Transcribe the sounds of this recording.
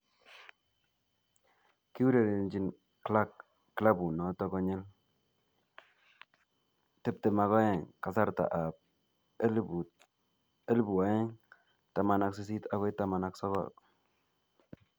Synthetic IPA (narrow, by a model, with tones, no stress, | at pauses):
ki˦u˦ɾe˨ɾe˨nd͡ʒi˨˦n | kla˦kː | la˦bu˨nɔ˨tɔ˦kɔ˦ɲe˦l | tɪ˦˨p̚te˨ma˨ɣɔ˦jɛ˨ŋka˨sa˦ɾta̰˨ʔa˨p̚ | lu˨ | e˦lbu˨a˨˦je˦ŋ | ta˨ma˨na˨ksi˦s̬i˦ta˦ɡe˦ta˦ma˨na˦ksɔ˦ɣɔ̰˨k̚